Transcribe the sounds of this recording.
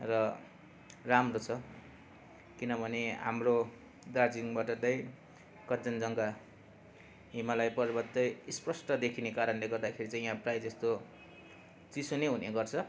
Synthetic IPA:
rʌ | ramrot͡sʰʌ | kinʌbʱʌneɦa̰mro | d̪ard͡ziŋbaʈʌt̪ʌj | kʌd͡zʌnd͡zʌŋɡa | ɦimalajpʌrbʌt̪ʌjisprʌsʈʌd̪ekʰinekaɾʌnleɡʌrd̪akʰeɾit͡sãĩɦãprajd͡zest̪o | t͡sisuneɦuneɡʌrt͡sʰʌ

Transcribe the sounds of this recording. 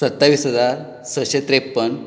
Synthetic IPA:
ət̪ːaʋisəd̪ʱa | səɕet̪ɾepːəɳ

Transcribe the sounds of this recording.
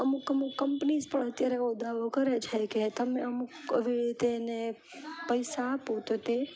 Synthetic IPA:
əmukkːəmukkːəmpnizpəɳət̪jaɾeod̪ʱaʋokəɾet͡ʃʰeket̪əmeəmukə̰ʋiɾit̪eːne | pəjsaːpõt̪ot̪e

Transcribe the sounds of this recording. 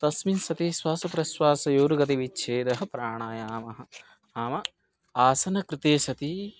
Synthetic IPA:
t̪ɐsminsɐt̪iswaːsɐpɾɐswaːsɐjoːɾuɡɐt̪iʋitːʃʰeːd̪ɐɦɐ̆pɾaːɳaːjaːmɐɦɐ̆ | aːmɐ | aːsɐnɐkɾɪt̪eːsɐt̪i

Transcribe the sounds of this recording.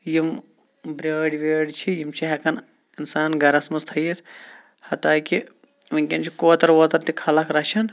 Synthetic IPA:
jim | bɾʲeːɖʋʲeːɖt͡ʃʰijimt͡ʃʰiɦɐkɐn | insaːnɡɐɾɐsmɐst̪ʰɐjit̪ʰ | hɐt̪aːki | ʋɐŋkʲɐnt͡ʃʰikoːt̪ɐɾʋoːt̪ɐɾt̪ikʰɐlɐkɾɐt͡ʃʰɐn

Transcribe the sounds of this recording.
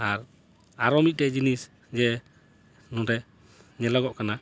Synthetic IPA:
aɾ | aɾɔmic̚tɛd͡ʒinis | d͡ʒɛ | nɔɾɛ | ɲɛlɔɡɔʔkana

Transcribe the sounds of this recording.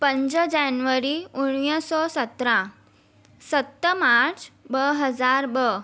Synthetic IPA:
pəɲd͡ʑəd͡ʑanʋəɾiuɳ̃jəsɔsət̪ɾã | sət̪ːəmaɾt͡sbəɦəd͡zaɾbə

